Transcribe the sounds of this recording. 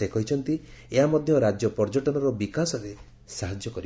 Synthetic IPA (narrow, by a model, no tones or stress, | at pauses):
ekʰɔɦit͡ʃʰɔnt̪ieɦamɔd̪ʱjɔɾad͡ʒjɔpɔɾd͡ʒɔʈɔnɔɾɔbikasɔɾe | saɦad͡ʒjɔkɔɾi